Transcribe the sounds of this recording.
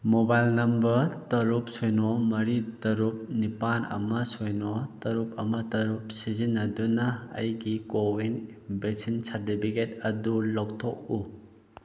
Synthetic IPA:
mobajlnɐmbɐɾtɐɾup̚sojnɔmɐɾitɐɾup̚nipanɐ̰mɐsojnotɐɾup̚ʰɐmɐtɐɾup̚sizinːɐdunɐ̰ːjɡikowinbeksinsaɾtipʰiket̚ɐdulɔk̚tʰɔk̚u

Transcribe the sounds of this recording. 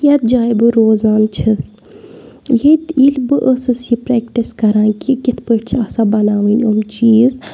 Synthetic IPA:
jɐt̪̚d͡ʒaːjbɨɾoːzaːnt͡ʃʰis | jet̪ilbɨʔəsɨsipɾeːkʈiskɐɾaːkikɪt̪ʰpəʈt͡ʃʰasabɐnaːʋinʲomt͡ʃiːz

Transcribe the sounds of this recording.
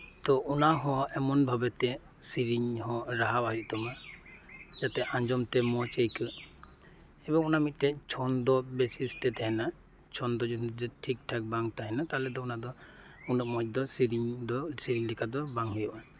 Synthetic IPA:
t̪ɔʔunaɦɔ̃ɛmɔnbʱabɛt̪ɛ | siɾiɲhɔ̃ɾaɦabaɦiʔ̚t̪ɔma | d͡ʒat̪ɛʔaɲd͡ʒɔmt̪ɛmɔt͡ʃəjkɯ | ɛbɔŋunamit̪̚ˀtɛt͡ʃʰɔnd̪ɔbɛsist̪ɛd̪ɛɦɛna | t͡ʃʰɔnd̪ɔd͡ʒud͡ʒɛʈʰik̚ʈʰak̚baŋt̪aɦɛnat̪alɛd̪ɔunad̪ɔ | unɔk̚mɔj̚d̪ɔsiɾiɲd̪ɔsiɾiɲlɛkʰad̪ɔbaŋɦɔjɔʔa

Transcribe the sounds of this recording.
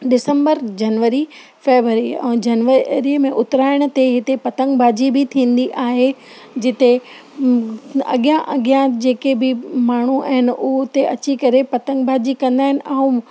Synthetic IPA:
ɗɪsə̃mbəɾd͡ʑɐnʋəɾi | feːʋɾəɾiɛ̰̃d͡ʑɐnʋəɾimẽʔʊt̪ɾaːɪɽ̃ə̆t̪eɦɪt̪epɐt̪ə̃ŋɡbʱaːd͡ʑibɪt̪ʰĩːn̆d̪iʔaːɦe | d͡ʑɪt̪e | ɐ̰ɠjãʔɐɠjãd͡ʑeːkebɪmaːɳ̤ua̰ːɦɪnɪʔʊɦt̪eʔɐt͡ɕikɐɾepɐt̪ə̃ŋɡbʱaːd͡ʑikɐ̃nd̪aːɦɪnɪ̆ʔaũ

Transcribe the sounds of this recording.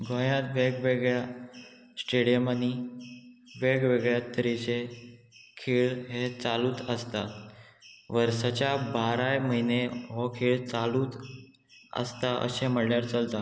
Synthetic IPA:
ɡʱɔ̃jãt̪ʋeɡʋeɡɭja | sʈeɽijəmani | ʋeɡʋeɡɭjat̪əɾit͡ɕe | kʰiːɭɦet͡saluːt̪əst̪a | ʋəɾsat͡ɕjabaɾajməɦineɦɔkʰiːɭt͡saluːt̪ | ə̰st̪aʔə̰seməɽljaɾt͡səlt̪a

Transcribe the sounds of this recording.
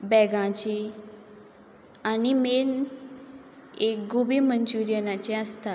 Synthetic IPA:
bɛɡãt͡ɕe | animen | ekɡobeməɲd͡ʑuɾjənat͡ɕeəst̪a

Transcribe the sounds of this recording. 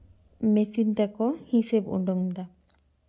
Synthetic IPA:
mesint̪akɔhisebṵɖɔŋd̪a

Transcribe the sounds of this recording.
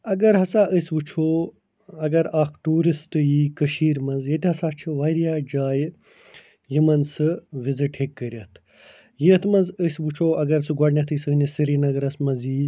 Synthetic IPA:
ɐɡɐɾɦɐsaːʔəsʲbut͡ʃʰoː | ɐɡɐɾaːkʈuːɾisʈɨjiːkɐʃiːɾmɐnzjet̪ʲiɦɐsaːt͡ʃʰiʋɐɾjaːd͡ʒaːj | jimɐnsɨʋiziʈhekːəɾʲɐt̪ʰ | jet̪ʰmɐnzəsʲbut͡ʃʰoːɐɡɐɾsɨɡɐɽnʲɐt̪ʰɨsɨnisɨɾinɐɡɐɾɐsmɐziː

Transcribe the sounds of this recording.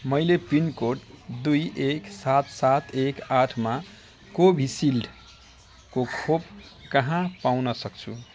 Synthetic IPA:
mʌjlepinkoʈd̪ujeksat̪sat̪ekaʈʰma | kobʱisilɖ | kokʰop̚kʌɦãpawnʌsʌkt͡sʰṵ

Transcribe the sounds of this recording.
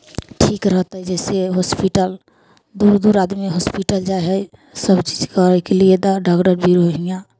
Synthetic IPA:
ʈʰiːkɾəɦt̪aɦɛd͡ʒɛːseɦɔːspiʈəl | d̪uːɾd̪uːɾaːd̪miɦɔːspiʈəld͡ʒaɦɛ | səbt͡ʃiːd͡ʒkaɾkelied̪aɖaːkɖəɾbʱiɾoɦijã

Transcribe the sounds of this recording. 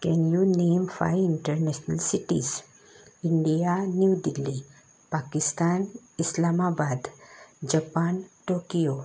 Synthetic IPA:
kɛnjuneːmfa̰ɪɪ̃ɳʈəɾnɛʃnɐlsɪʈḭz | ɪ̃ɳɖijanjuːɖ̪ɪlːi | paːkɪst̪aːn | ɪslaːmaːbaːd̪d͡ʒɐpaːnʈoːkijoː

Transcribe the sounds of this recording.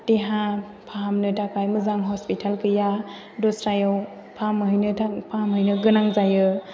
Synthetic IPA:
teɦa | pʰaamnɯtakajmɯzaŋɦɔspitʰalkɯja | dɔsɾajaw | pʰamɦɯjnɯapʰamɦɯjnɯɡɯnaŋzajɯ

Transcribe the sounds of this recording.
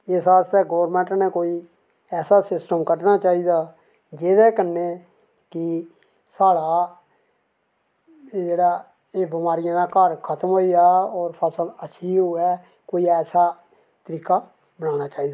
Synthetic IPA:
ɪsaːst̪ɛːɡoːɾmɛ̃ːɳʈnẽːkoːiː | ɛːsaːsɪsʈəmkəɾnaːt͡ʃaːiːd̪aː | d͡ʒeːd̪ɛːkənːeː | kɪ | saːɽaː | d͡ʒeːɽaː | eːbɪmaːɾɪjãːd̪aːkəɾkʰət̪əmɦoːiaːɔːɾpʰəsələʃʰiːɦoːɛː | koːiːɛːsaː | t̪əɾiːkaː | bənaːñaːt͡ʃaːiːd̪aː

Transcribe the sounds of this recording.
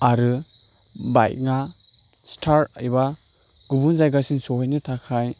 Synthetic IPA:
aɾɯ | ba̰j̚ŋa | stʰaɾajba | ɡ̥ubunzajɡasinsɔɦɔjnitʰakʰaj

